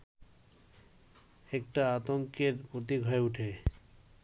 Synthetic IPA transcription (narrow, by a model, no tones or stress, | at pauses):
ɛk̚ʈaat̪oŋkeɾpɾot̪̬iɡʱɔeuʈʰe